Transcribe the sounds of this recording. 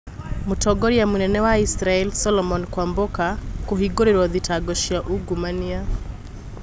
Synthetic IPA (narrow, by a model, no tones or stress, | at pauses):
mutɔɡɔɾiamunɛnɛwaisɾaɛlsɔlɔmɔnkwambokakuɦiɡɔɾiɾɔðitʰaɡɔʃiaʔuɡumania